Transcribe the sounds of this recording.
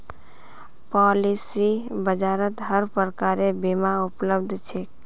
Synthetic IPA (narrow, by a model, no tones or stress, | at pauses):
pɔlisibəd͡ʒaɾət̪ɦəɾpɾəkaɾebimaupləbd̪ʱt͡ʃʰe